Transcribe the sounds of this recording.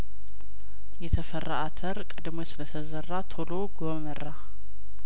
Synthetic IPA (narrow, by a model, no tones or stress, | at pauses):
jɛt̪ʰəfərːa̰ʔat̪ʰəɾkʼɨd̪mosɨlət̪ʰəzərːat̪ʰoloɡoməra